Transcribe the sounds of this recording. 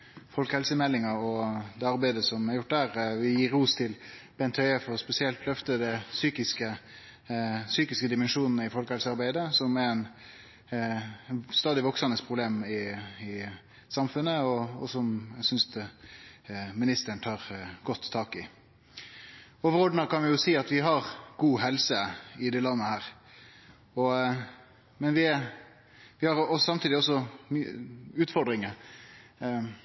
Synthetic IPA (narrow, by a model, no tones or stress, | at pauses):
fɔlkəhɛlsəmɛlːɪŋɑɔd̪ɛːɑɾbæɪd̪əsɔmæɾjʊʈ̚ːd̪æːɾʋɪjiːɾuːst̪ʰɪlb̥ɛnt̪ʰœʏəfɔɾɔspɛsɪɛlt̪lœft̪əd̪ɛsyːkɪskə | syːkɪskəd̪ɪmɛnʂuːnnəɪfɔlkəhɛlsəɑɾbæɪd̪əsɔmɛɾɛn | st̪ɑːd̪ɪʋɔksɑnəspʰʁʊbleːmɪɪ | sɑmfʉnːəɔɔ̰sɔmjsʏnst̪ | mɪnɪst̪əɾəɳ̩t̪ʰɑːʁɡ̥ɔt̪ʰːɑːkɪ | ɔːʋəɾɔd̪n̩əkɑnʋɛjʊsiːɑt̪ʋɪɦɑʁɡuːɦɛlsəɪd̪ɛːlɑnːəhæːɾ | ɔ | mɛnʋɪ | ʋɪhɑʁɔsɑmt̪ʰiːd̪ɪɔs̬ɔmʉːt̪fɔɾd̪ɾɪŋə